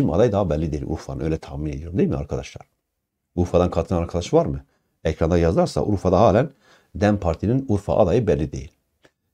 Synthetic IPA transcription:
ima̰d̪ajd̪aɦabɛlʲːid̪e̞jilʔṵɾfaɯnø̞jlʲɛt̪ʰahmine̞d̪ioɾumd̪ejilmia̰ɾkʰad̪aʃlˠa̰ɾ | uɾfad̪ankʰat̪ʰɯnanaɾkʰad̪aʃvaɾmɯ | ɛcʰɾand̪ajazlˠaɾsa̰ʔṵɾfad̪aɦaːlʲæn | d̪æmpʰaɾt̪ʰininuɾfa̰ʔa̰d̪ajɯbɛlʲːid̪e̞jḭlʲ

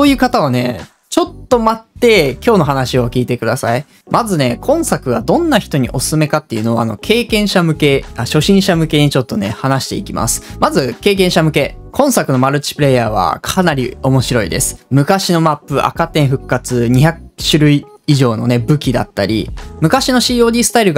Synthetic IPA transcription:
soːjɯ̟ːkat̪aβane̞ | t͡ɕo̞t̪ːo̞mat̪ːe̞kʲo̞ːno̞ɦanaɕio̞kʲiːt̪e̞kɯ̟d̪asai | mʔazɨne̞kʰõ̞ɰ̃sakɯ̟βad̪õ̞nːaçi̥t̪oɲ̟ḭʔo̞sɨ̥sɨme̞kat̪ːe̞iɯ̟no̞ano̞kʰe̞ːkẽ̞ɰ̃ɕamɯ̟ke̞aɕo̞ɕĩɰ̃ɕamɯ̟ke̞ɲ̟it͡ɕo̞t̪ːo̞ne̞hanaɕi̥t̪e̞ikʲima̰sɨ̥mazɨke̞ːk̬ẽ̞ɰ̃ɕamɯ̟ke̞kʰõ̞ɰ̃sakɯ̟no̞maɾɯ̟t͡ɕi̥pɯ̟ɾe̞jaːβa̰kʰanaɾʲḭo̞mo̞ɕiɾo̞ḭd̪e̞sɨ̥mɯ̟kaɕino̞mapːɯ̟ʔa̰kat̪ẽ̞ɰ̃ɸɯ̟kːat͡sɨɲ̟içakɯɕɨɾɯ̟iːʑo̞ːno̞ne̞bɯ̟kʲid̪a̰t̪ːaɾʲḭmɯ̟kaɕino̞ɕiːo̞ːdʲisɨ̥t̪aiɾɯ̟ɡ

